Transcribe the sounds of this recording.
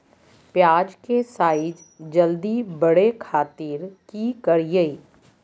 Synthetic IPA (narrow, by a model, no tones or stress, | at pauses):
pjaːd͡ʒkesaːɪd͡ʒ | d͡ʒəld̪ibəɽekʰaːt̪iːɾkikəɾjei